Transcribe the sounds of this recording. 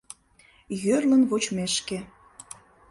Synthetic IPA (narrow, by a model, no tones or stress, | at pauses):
jørlə̆nvot͡ɕmeʃkĕ